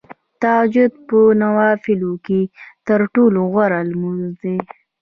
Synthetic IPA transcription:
t̪ad͡ʒʊd̪̚pənawɑfɪloket̪əɾʈoloɣwaɾalmuzd̪e

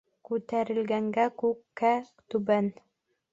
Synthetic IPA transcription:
kʉt̪æɾɘ̆lɡæŋɡækʉkːæ | t̪ʉbæn

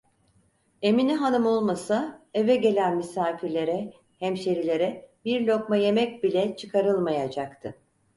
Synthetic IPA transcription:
e̞miniɦanɯmo̞lˠmasae̞vɛɟe̞lʲænmisaːfiɾlʲe̞ɾɛ | hæmʃe̞ɾilʲe̞ɾɛbiɾlʲo̞kmaje̞mɛc̚bilʲɛt͡ʃʰɯkʰaɾɯlˠmajad͡ʒakt̪ʰɯ

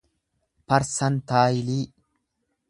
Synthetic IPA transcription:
pɐɾsɐnt̪aːjɪliː

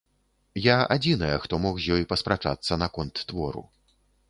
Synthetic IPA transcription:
jaa̰d͡zʲinɐjɐxt̪ɔmɔxzʲjɔjpɐspɾat͡ʂa̰t̪sːɐnɐkɔnt̪ːvɔɾṵ

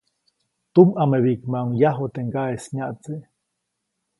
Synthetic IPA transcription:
t̪umʔameβikmaŋjaɦot̪eŋɡaesɲaʔt͡se

